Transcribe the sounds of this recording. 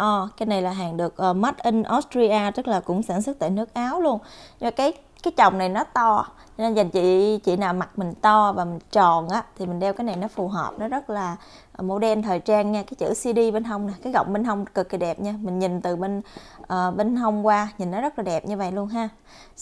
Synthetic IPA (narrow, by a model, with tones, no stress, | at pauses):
ʔəː˨˩kaː˨˦jna˨˩jlaː˨˩ɦaː˨˩ŋɗɨ˨˩ək̚ʔəː˨˩ma˦˥t̚ʔi˧ŋ̟ʔɔ˦˥stɾi˧ʔaː˧t͡ɕɨ˦˥k̚laː˨˩kʊ̰˧˥ŋ͡msa̰ː˧˩nsɨ˦˥t̚t̪aː˧˨nɨ˦˥ək̚ʔaː˨˦wlu˧ən˧mː˨˩kaː˨˦j | kaː˨˦jt͡ɕə˨˩wŋ͡mna˨˩jnɔ˨˦t̪ɔ˧ | ɲ˧ne˧nza˨˩jŋt͡ɕḭ˧˨t͡ɕḭ˧˨naː˨˩wma˨˩k̚mï˨˩ŋ̟t̪ɔ˧vaː˨˩mï˨˩ŋt͡ɕɔ˨˩nʔaː˨˦t̪ʰi˨˩mï˨˩ŋ̟ɗɛ˧wkaː˨˦jna˨˩jnɔ˨˦fu˨˩ɦəː˨˩p̚nɔ˨˦zə˦˥t̚laː˨˩˨ | mo̰˧˦ɗɛ˧nt̪ʰəː˨˩jt͡ɕaː˧nɲaː˧kaː˨˦jt͡ɕɨ̰˧˩si˧ɗi˧ɓe˧nɦə˧wŋ͡mnaː˨˩kaː˨˦jɣə̰˧˨wŋ͡mɓe˧nɦə˧wŋ͡mkɨ˨˩k̚ːi˨˩ɗɛ˨˩p̚ɲaː˧mï˨˩ŋ̟ɲi˨˩nt̪ɨ˨˩ɓe˧n | ʔəː˨˩ɓe˧nɦə˧wŋ͡mkwaː˧ɲi˨˩nːɔ˨˦zə˦˥laː˨˩ɗɛ˨˩p̚ɲɨ˧və̰˧˨jlu˧ənɦaː˧